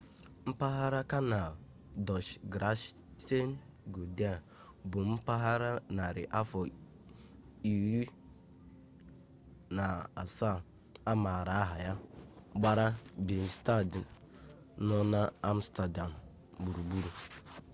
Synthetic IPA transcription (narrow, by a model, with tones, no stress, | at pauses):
m̩˦pa˦ɦa˦ɾa˦ka˦na˨ | dɔ˨ʃɡɾa˦ʃte˦n˦ | ɡo˨da˨ | bʊ˨m̩˦pa˦ɦa˦ɾa˦na˨ɾɪ˨ʔa˦fɔ˨ | i˨ɾi˦ | na˨a˨sa˦˨ | a˦ma˨ɾa˨a˦ɦa˨ja˦ɡ͡ba˦ɾa˦bi˨n˨sta˦d | nɔ˦na˦a˦m̩˦sta˨da˨m̩˨ | bu˨ɾu˨ɡ͡bu˦ɾu˨